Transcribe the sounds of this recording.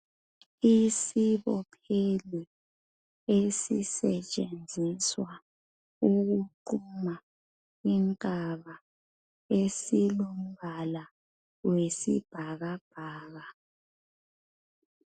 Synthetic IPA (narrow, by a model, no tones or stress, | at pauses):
isiβɔpʰeli | esḭsɛt͡ʃʼend͡zʱiswa | uɣuǃuma | iŋkʼaβa | esilom̩βala | wesḭb̥ʱaɣab̥ʱaːɣa